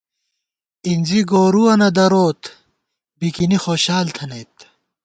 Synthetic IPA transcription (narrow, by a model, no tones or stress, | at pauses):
inʲziɡoːɾuɐnɐd̪ɐɾoːt̪ | bikinixoːɕaːlt̪ʰɐneːt̪